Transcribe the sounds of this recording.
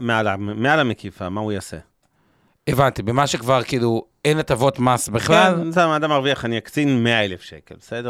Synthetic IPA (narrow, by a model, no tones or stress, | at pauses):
mealamealamekifamaujasḛ | evant̪ibemaʃekvaʁkilu | enat̪avo̞t̪masbiχlalsamad̪amaʁviaχanijakt͡sinmeaelefʃekḛlbesed̪e